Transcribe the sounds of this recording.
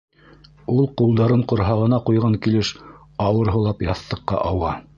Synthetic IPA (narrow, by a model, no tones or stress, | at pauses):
ulˠqulˠd̪ɑɾɤɴqŏɾɦɑʁɤ̆nɑqujʁɑŋkilɘʃ | ɑwɤ̆ɾɦɤ̆lˠɑpjɑθt̪ːɤ̆qːɑ̰ʔɑwʁɑ